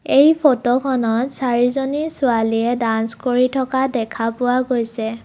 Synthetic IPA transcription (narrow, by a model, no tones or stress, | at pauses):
ejpʰotokʰɔnɔtsaɹizonisʊaliɛdanskoɹitʰɔkadɛkʰapʊwaɡojsɛ